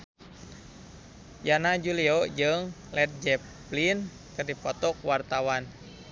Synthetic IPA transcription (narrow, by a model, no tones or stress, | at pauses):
janad͡ʒuliɔd͡ʒɨŋ | lɛt̪̚d͡ʒɛ | plin | kɨrdipɔt̪ɔk̚wart̪awan